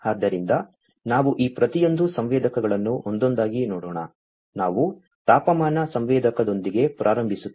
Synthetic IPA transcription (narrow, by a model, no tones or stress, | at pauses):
aːd̪ːɐɾind̪ɐ | naːʋuʔiːpɾɐt̪ijo̞nd̪usɐmʋɛːd̪ɐkɐɡɐɭɐnːuʔond̪o̞nd̪aːɡinɔːɽoːɳɐ̰ | naːʋu | t̪aːpɐmaːnɐsɐmʋɛːd̪ɐkɐd̪o̞nd̪iɡe̞pɾʔaːɾɐmbʱisut̪ː